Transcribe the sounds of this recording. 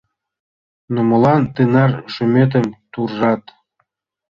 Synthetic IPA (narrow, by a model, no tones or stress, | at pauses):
numɤ̆lˠɑnt̪ɯnɑrʃymʲet̪̬ə̆mt̪urʒɑt̪